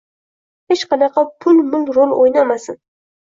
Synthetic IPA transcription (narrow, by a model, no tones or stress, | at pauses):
het͡ʃqʰɑnɑqʰɑpʰʊlmʊlɾolˠojnamasɪn